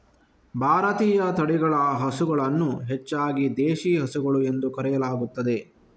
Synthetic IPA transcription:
bʱaːɾɐt̪iːjɐt̪ɐɽiɡɐɭɐɦɐsuɡɐɭɐnːuɦɛt͡ʃːaːɡid̪eːʃiːɦɐsuɡɐɭue̞nd̪ukɐɾɛjɐlaːɡut̪ːɐd̪e̞

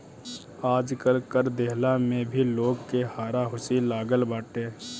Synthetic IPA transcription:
aːd͡ʒkəlkəɾd̪eɦlamẽbʱiloːɡkehaːɾaɦʊsilaːɡəlbaːʈeː

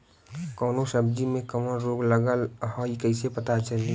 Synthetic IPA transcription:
kɔːnosəbd͡ʒimẽkəmənɾoːɡləɡəlɦɔikəɪsepət̪at͡ʃəli

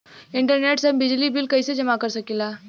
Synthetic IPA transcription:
ɪ̃ɳʈəɾneːʈsəmbɪd͡ʒlibɪlkɐised͡ʒɐmakəɾsəkilaː

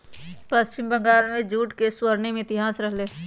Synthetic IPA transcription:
pəst͡ʃɪmbə̃ŋɡaːlmẽd͡ʒuːʈkeswəɾnemẽɪt̪ɪɦaːsɾəɦleː

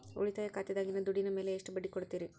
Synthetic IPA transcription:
o̰ɭit̪aːjɐkaːt̪id̪aːɡinɐd̪uɽinɐme̞ːleːʂʈubɐɖːikoɽut̪ːiːɾi

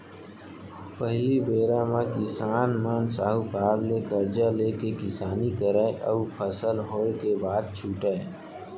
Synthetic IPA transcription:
pəɦlibeːɾãmãkɪsaːnmənsaːɦukaːɾlekəɾd͡ʒaleːkekɪsaːnikəɾeʔə̰upʰəsəlɦoːekebaːd̪̚t͡ʃʰuːʈeː

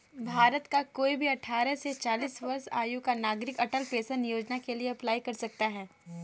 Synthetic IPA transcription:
bʱaːɾət̪kakoːibʱiɐʈʰaːɾəset͡ʃaːliːsʋɐɾsa̰ːjukanaːɡɾɪkɐʈəlpeːsənijoːd͡ʒnakelieɐplaːikɐɾsɐk̚t̪aɦɛː

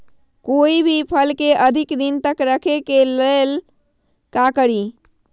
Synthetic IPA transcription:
koːibʱipʰəlkeʔəd̪ʱɪkd̪ɪnt̪əkɾəkʰekelel | kakəɾi

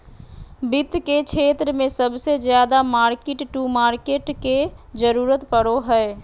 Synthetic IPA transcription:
bɪt̪kekt͡ʃʰeːt̪ɾəmẽsəbsed͡ʒjaːd̪amaːɾkeʈʈuːmaːɾkeːʈked͡ʒəɾuːɾət̪pəɽoɦɛ

